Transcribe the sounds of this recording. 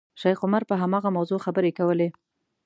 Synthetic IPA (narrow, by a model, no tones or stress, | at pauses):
ʃajqʊmaɾpəɦamɑɣamawzoxabəɾekawəle